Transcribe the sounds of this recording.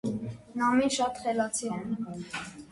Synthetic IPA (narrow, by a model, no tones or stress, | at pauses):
nɑmiʃɑt̪χɛlɑt͡sʰiɛn